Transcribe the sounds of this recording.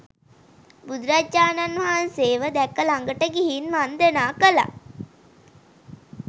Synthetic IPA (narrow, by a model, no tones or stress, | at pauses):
bud̪ɾad͡ʒaːnanʋɐɦanseːʋəd̪ækːəlaŋɡəʈəɡiɦinmand̪ənaːkəla̰